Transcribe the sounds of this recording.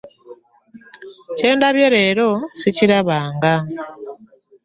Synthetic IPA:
ce̞ːndaβje̞ɾe̞ːɾo̞siciɾaβaːŋɡa

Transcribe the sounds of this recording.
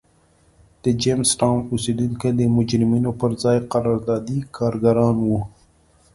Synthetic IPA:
d̪̥əd͡ʒemsʈɑmʊsed̪uŋked̪əmʊd͡ʒɾɪminopəɾzɑjqaɾɑɾd̪ɑd̪ikʰɑːɾɡaɾɑnwu

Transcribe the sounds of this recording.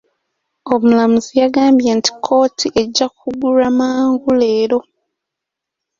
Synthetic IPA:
o̞mulamuzijaɡaːmbjenti̥kʰo̞ːtʰiʔe̞ɟːakʰuɡuɾamaːŋɡule̞ːɾo̞

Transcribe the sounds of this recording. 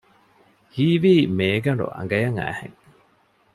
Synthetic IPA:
hiːʋiːmeːɡɐɳɖṵʔɐ̰ŋɡɐjɐŋæ̰ːhḛŋ

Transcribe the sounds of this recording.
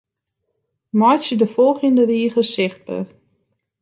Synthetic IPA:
mɔjsjədəfɔlˠχjəndəriːχəsɪχtə̰

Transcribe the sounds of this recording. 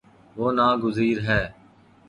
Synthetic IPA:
ʋoːnaːɡʊziːɾɦɛː

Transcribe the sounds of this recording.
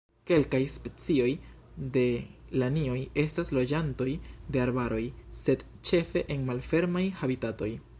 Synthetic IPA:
ke̞lkajspe̞t͡sio̞j | de̞lanio̞je̞staslo̞d͡ʒanto̞jde̞aɾbaɾo̞jse̞d | t͡ʃe̞fe̞ʔenmalfe̞ɾmajhabitato̞j

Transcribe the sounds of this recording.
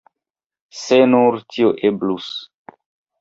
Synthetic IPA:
senuɾtʰioʔeblus

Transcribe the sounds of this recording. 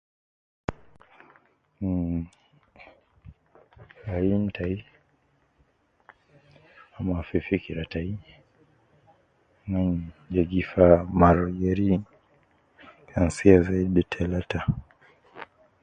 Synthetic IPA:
aim̩tʰai | amafifikiɾatai | naɲd͡ʒɛɡifamaɾɡɛɾi | kʰansiazaiditʰɛlata

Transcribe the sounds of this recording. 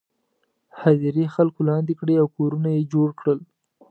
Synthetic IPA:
haziɾexalkolɑnd̪ekɽeawkoɾunajed͡ʒoɽkɽəl

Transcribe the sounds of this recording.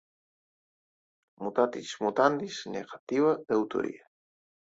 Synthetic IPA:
mut̪at̪ismut̪and̪isneɣat̪iβad̪awt̪o̰ɾḭa

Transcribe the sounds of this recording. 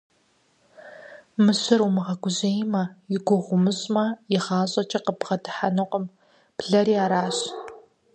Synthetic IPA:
mɨɕɪrumɨʁɐɡʷʊʑejmɐjɪɡʷʊʁʷʊmɨɕʼmɐjɪʁɑːɕʼɐt͡ʃʼɐqəpʁɐdɨ̥ħanɨqʷəm | pɮɐɾiːaːɾaːɕʼ

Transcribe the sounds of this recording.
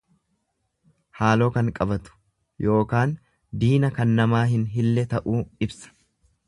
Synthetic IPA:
haːlo̞ːkɐŋkʼɐbɐt̪ʊ̥ | jʔo̞ːkaːn | d̪iːnɐkɐnːɐmaːɦɪnɦɪlːɛt̪ɐʔuːɪbsɐ̥

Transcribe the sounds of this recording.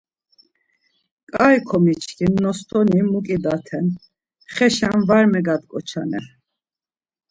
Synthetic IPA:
kʼajkʰɔmit͡ʃʰkʰinːɔst̪ʰɔnimukʼid̪at̪ʰɛn | χɛʃanvaɾmɛɡad̪kʼɔt͡ʃʰa̰nɛ̰

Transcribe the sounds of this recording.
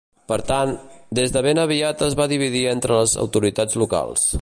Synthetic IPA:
pəɾt̪and̪ezðəβenəβiat̪əzβaðiβ̞iðient̪ɾələzə̰wt̪uɾit̪ad͡zluka̰lˠs

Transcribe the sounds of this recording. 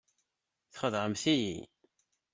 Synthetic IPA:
θχəðˤʁəmθijḭ

